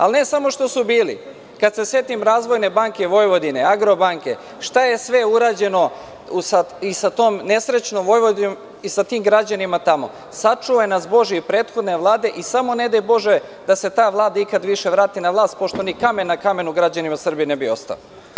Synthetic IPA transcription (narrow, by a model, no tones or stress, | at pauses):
a̰lne̞samo̞ʃt̪osubiːlḭ | kad̪se̞se̞t̪imɾaːzʋo̞jne̞baŋkeʋo̞jʋo̞d̪ine̞aɡɾo̞baŋke̞̰ | ʃt̪aje̞sʋe̞uɾaːd͡ʑe̞no̞ | usaisat̪oːmne̞sɾet͡ɕnomʋo̞jʋod̪om | isat̪iːmɡɾad͡ʑanimat̪amo̞̰ | sat͡ʂuojenasbo̞ʒiipɾe̞ːt̪xo̞d̪ne̞ʋlˠaːd̪e̞ʔisamo̞ne̞d̪ajbo̞ʒe | d̪ase̞t̪aːʋlˠaːd̪aikad̪ʋiʃe̞ʋɾaːt̪inaʋlˠaːst̪̚po̞ʃt̪o̞nikame̞nːakame̞nuɡɾad͡ʑanimasr̩bijinebio̞̰st̪a̰lo̰